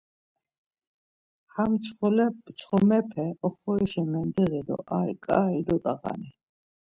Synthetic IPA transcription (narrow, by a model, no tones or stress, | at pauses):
hamt͡ʃʰχɔlɛt͡ʃʰχɔmɛpʰɛɔχɔɛʃɛmɛnd̪iɣid̪ɔ̰ʔaɾkʼaːid̪ɔt̪ʼaqa̰ni